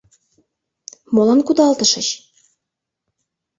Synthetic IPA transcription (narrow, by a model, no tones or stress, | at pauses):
molənkud̪ɑlt̪ə̆ʃə̆ɕ